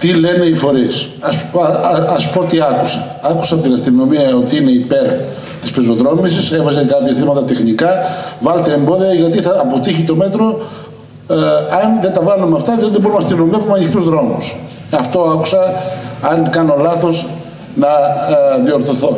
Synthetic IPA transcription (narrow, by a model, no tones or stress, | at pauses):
t̪ile̞neifo̞ɾis | ɐs | ɐspo̞t̪iɐkusɐ̥ | ɐku̥sɐt̪iɾɐst̪iɣno̞miɐot̪iine̞ipe̞ɾ | t̪i̥spezo̞ðɾo̞misisefɐzekɐpçɐθimɐt̪ɐt̪e̞xnikɐvɐlet̪eembo̞ðiɐʝɐt̪iθɐːpo̞t̪içit̪o̞me̞t̪ɾo̞ | ɐnðet̪ɐvɐlumeɐft̪ɐðoðeboɾunɐst̪iɣno̞mevumeɐnixt̪uzðɾo̞mus | ɐft̪o̞ɐku̥sɐɐnkɐno̞lɐθo̞z | nɐðio̞ɾθoθo̞